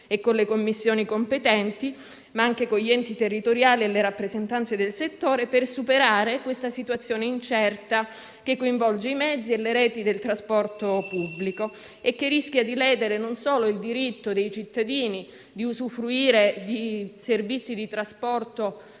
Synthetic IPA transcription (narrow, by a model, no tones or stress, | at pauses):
ekːonlekomːisːjoːnikompet̪ɛnt̪i | maaŋkekoʎːiɛnt̪it̪erːit̪oɾjaːlieleɾapːɾezent̪ant̪sed̪elset̪ːoːɾepersupeɾaːɾekwest̪asit̪wat̪sːjoːneint͡ʃɛrt̪a | k̟ekːoiɱvɔld͡ʒeimɛd̪zːieleɾɛːt̪id̪elt̪ɾaspɔrt̪opubːliko | ekːerisk̟jad̪ilɛːd̪eɾenonsoːloild̪iɾit̪ːod̪ejt͡ʃit̪ːad̪iːni | d̪iuzufɾuiːɾed̪iservit̪sːid̪it̪ɾaspɔrt̪o